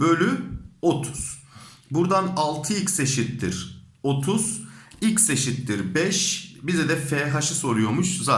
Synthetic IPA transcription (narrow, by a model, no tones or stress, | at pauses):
bølʲyo̞t̪ʰu̥z̥ | buɾd̪analˠt̪ʰɯilcse̞ʃit̪ːiɾ̥ | o̞t̪ʰuz̥icʲse̞ʃit̪ːiɾbɛʃbizɛd̪ɛfɛɦaʃɯso̞ɾujo̞muʃza